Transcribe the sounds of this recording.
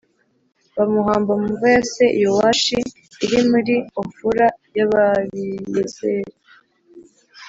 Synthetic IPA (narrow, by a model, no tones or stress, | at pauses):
βamuɦaːmbamuveaseʔijowaʃiː | ɾimuɾiofuɾajaβaβijezeɾe